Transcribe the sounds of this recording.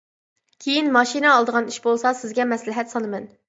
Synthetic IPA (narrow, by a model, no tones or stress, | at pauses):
kʲʰejinmɑʃinɨːlˠd̪əʁɑniʃbolˠsɑsɪzɡʲɛmɛslɪɦɛt̪sɑnɨmɛn